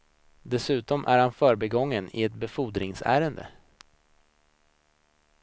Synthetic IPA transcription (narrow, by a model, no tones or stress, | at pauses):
d̪ɛsʉ̟ːt̪ɔmʔæ̰ɾhanfœːɾbɛɡɔŋːənɪ̰ɛt̪̚bɛfuːd̪ɾɪŋsæ̰ːɾənd̪ə̰